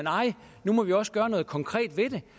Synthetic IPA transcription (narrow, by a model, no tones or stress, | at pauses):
enɑ̈ɪ̰ | numɒ̽ʋiɒ̽sɡ̥ɶɐnɔ̽ːð̞̩ˠkʰɒ̽ŋkʰʁɛ̰ːd̥ʋe̝d̥e̝